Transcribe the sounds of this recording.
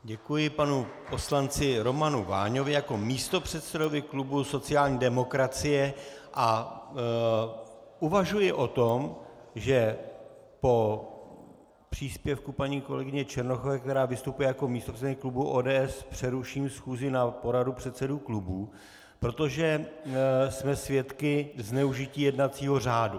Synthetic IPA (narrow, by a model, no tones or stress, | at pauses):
ɟɛkujɪpanu | po̞slant͡sɪɾo̞manuvaːɲo̞vɪjako̞miːst̪o̞pr̝̥ɛt̪sɛdo̞vɪklubuso̞t͡sɪaːlɲiːdɛmo̞kɾat͡sɪjɛʔa | ʔuvaʒujɪʔo̞t̪o̞m | ʒɛ | po̞ | pr̥iːspjɛfkupaɲiːko̞lɛɡɪɲɛt͡ʃɛɾnoxovɛːkt̪ɛɾaːvɪst̪upujɛjako̞miːst̪oprɛɪklubuʔoːdɛːɛspr̝̥ɛɾuʃiːmsxuːzɪnapo̞ɾadupr̥ɛt̪sɛduːklubuː | pɾo̞t̪oʒɛ | smɛsvjɛt̪kɪznɛuʒɪciːjɛdnat̪t͡siːɦo̞raːdu